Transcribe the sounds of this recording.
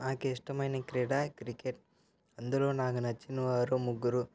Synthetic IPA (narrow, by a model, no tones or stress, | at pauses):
aːkeiʂʈɐmɐjnekɾeːɽaːkɾikeʈ̚ | ɐnd̪ɐloːnaːkunɐt͡ʃːinuʋaːɾumuɡːuɾu